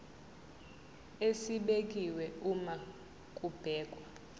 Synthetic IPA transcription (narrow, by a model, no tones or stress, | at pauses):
esiɓek̬ʼiwɛuma | kʼub̥ʱɛːkʼwa